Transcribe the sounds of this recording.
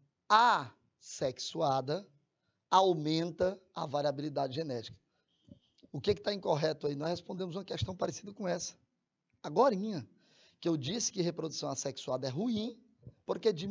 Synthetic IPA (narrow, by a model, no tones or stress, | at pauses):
a | seksuad̪ɐ | awmẽnt̪ɐa̰vaɾiabilid̪ad͡ʒɪʒenɛt͡ʃi̥kɐ̥ | ʊkekɪ̥t̪aĩkoɦɛt̪ʊainɔshespõnd̪ẽmʊzũmɐkɛʃt̪ɐ̃w̃paɾesid̪ɐkõɛsɐ̥ | aɡɔɾĩɲɐ | kɪewd͡ʒisɪ̥kɪɐɦepɾod̪usɐ̃w̃aseksuad̪ɐɛɦuĩ | poɾked͡ʒi